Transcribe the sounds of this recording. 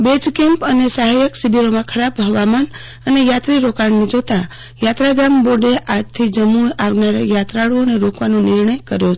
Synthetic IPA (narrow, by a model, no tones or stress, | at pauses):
bed͡ʒkẽmpənesaɦajəksibiɾomãkʰəɾabɦəʋaman | ənejat̪ɾiɾokaɳnid͡ʒot̪a | jat̪ɾad̪amboɖeʔad͡ʒt̪ʰid͡ʒəmuaʋnaɾajat̪ɾaɭuoneɾokʋanõnɪɾɳəjkəɾjo